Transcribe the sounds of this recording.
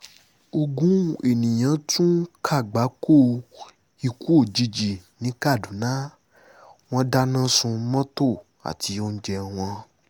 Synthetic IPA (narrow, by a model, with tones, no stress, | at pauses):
o˧ɡũ˦˨e˨nĩ˨j̃ã˨˧˦tũ˦kʰa˦˨ɡ͡ba˨˦ko˦˨ | i˧ku˦o˦˨d͡ʒi˧d͡ʒi˨nĩ˨˦ka˦˨dũ˨˦nã˦ | w̃ɔ̃˧da˧nã˦sũ˧˦mɔ̃˦to˦˨ | a̰˨ti˨˧˦o˧n̩˦d͡ʒɛ˧ɔ˧w̃ɔ̃˧